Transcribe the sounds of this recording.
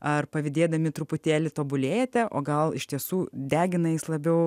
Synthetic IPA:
ɐrpɐʋʲɪd̪ʲeːd̪ɐmʲɪt̪ɾʊpʊt̪ʲeːlʲɪt̪oːbʊlʲeːjɛt̪ʲɛʔo̰ːɡɐlˠɪʃʲt̪ʲiɛsuːd̪ʲæːɡʲɪnɐjɪslˠɐbʲɛʊ

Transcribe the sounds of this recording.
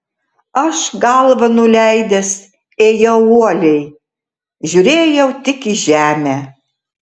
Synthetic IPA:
ɐʃɡɑlˠʋɐnʊlʲæɪd̪ʲɛs | eːjɛʊuɔlʲɛɪ | ʒʲuɾʲeːjɛʊt̪ʲɪkiʒʲæːmʲæ

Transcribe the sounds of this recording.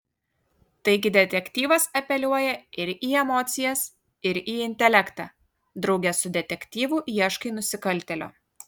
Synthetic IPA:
t̪ɐɪɡʲɪd̪ʲɛt̪ʲɛkʲt̪ʲiːʋɐsɐpʲɛlʲuɔjɛɪɾiːɛmɔːt̪sʲɪjɛs | ɪɾiːɪnʲt̪ʲɛlʲækt̪ɑː | d̪ɾɐʊɡʲɛsʊd̪ʲɛt̪ʲɛkʲt̪ʲiːʋuʔjiɛʃkɐɪnʊsʲɪkɐlʲt̪ʲɛlʲo̰ː

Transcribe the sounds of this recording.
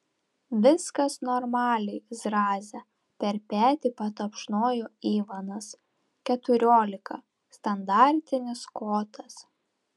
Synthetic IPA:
ʋʲɪskɐsnɔɾmɑːlʲɛɪzɾɑːzʲɛ | pʲɛɾpʲæːt̪ʲiːpɐt̪ɐpʃnoːjoːiːʋɐnɐs | kʲɛt̪ʊɾʲoːlʲɪkɐ̰ | st̪ɐnd̪ɑˑɾʲt̪ʲɪnʲɪskoːt̪ʰɐs

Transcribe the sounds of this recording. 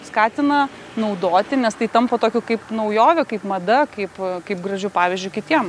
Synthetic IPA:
skɑːt̪ʲɪnɐ | nɐʊd̪oːt̪ʲɪnʲɛst̪ɐɪt̪ɐmpɐt̪oːkʲʊkɐɪpnɐʊjoːʋʲʊkɐɪpmɐd̪ɐkɐɪpkɐɪp̚ɡɾɐʒʲʊpɑːʋʲɪːzʲd͡ʒʲʊɪkʲɪt̪ʲiɛm

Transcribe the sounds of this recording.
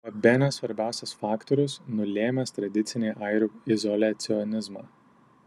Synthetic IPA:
ɐbʲenʲɛsʋɐɾʲbʲæˑʊsʲɛsfɑːkt̪ɔɾʲʊsnʊlʲeːmʲɛst̪ɾɐd̪ʲɪt̪sʲɪnʲeːʔɐɪɾʲuːɪzɔlʲæt̪sʲɪɔnʲɪzmɑː

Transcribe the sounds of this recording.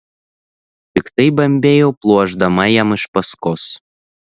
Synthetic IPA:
t̪ʲɪkt̪ɐɪbɐmʲbʲeːjɛʊplˠuɔʒd̪ɐmɐjɛmɪʃpɐskɔs

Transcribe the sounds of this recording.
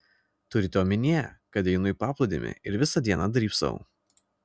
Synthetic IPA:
t̪ʊɾʲɪt̪ʲoːmʲɪnʲiɛkɐt̪ʲɛɪnʊɪpɑːplˠʊd̪ʲḛːmʲɪ̰ɪɾʋʲɪsɐd̪ʲiɛnɐd̪ɾʲiːpsɐ̰

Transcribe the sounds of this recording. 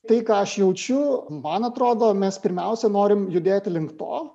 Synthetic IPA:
t̪ɐɪkɑːɐʃjɛʊt͡ʃʲʊmɐnɐt̪ɾoːd̪oːmʲɛspʲɪɾʲmʲɛʊsʲɛnoːɾʲɪmjʊd̪ʲeːt̪ʲɪlʲɪŋkt̪o̰ː

